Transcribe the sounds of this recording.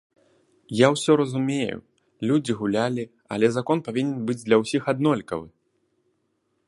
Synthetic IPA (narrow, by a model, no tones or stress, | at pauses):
jawsʲɔɾɐzumʲejṵ | lʲud͡zʲiɣulʲalʲi | ɐ̰lʲɛzakɔnpavʲinʲɛnbɨd͡zʲd̪lʲɐwsʲixad̪nɔlʲkɐ̰vɨ̰